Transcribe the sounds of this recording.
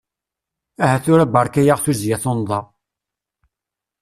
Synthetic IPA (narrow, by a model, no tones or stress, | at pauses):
æhæθʊɾæbɑɾˤkæjaʁθuzjæθond̪ˤɑ